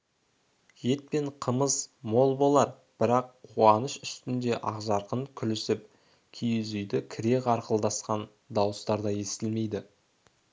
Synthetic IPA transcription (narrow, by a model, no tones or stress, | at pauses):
je̞t̪̚pe̞ɴqʰəməzmo̞lˠbo̞lˠɑɾ | b̥ɪɾɑqʰːuɑnəʃʏst̪ɪnd̪e̞ʔɑʁʒɑɾqəŋkʲʰʏlɪsɪp̚ | kʲʰijɪzʏjd̪ɪkʲʰɪɾe̞kɑɾqəlˠd̪ɑsqɑn | d̪ɑwəst̪ɑɾd̪ɑje̞st̪ɪlme̞jd̪ɪ